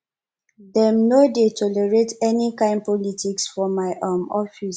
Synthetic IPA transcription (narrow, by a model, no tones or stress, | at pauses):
dɛmnodetʰɔlɛɹetɛnikãɪ̃nd̚pɔlitʰiksfɔmaɪʔamɔfis